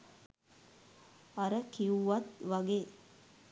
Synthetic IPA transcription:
ɐɾəkiuʋɐt̪ʋɐɡeː

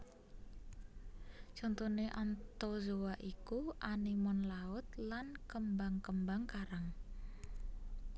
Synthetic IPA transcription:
t͡ʃɔnt̪uneʔant̪ozowaʔikuʔanimɔnlaʊt̪lankəmbaŋkəmbaŋkaɾaŋ

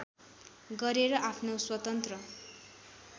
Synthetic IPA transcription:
ɡʌɾeɾʌʔapʰnoswʌt̪ʌnt̪rʌ

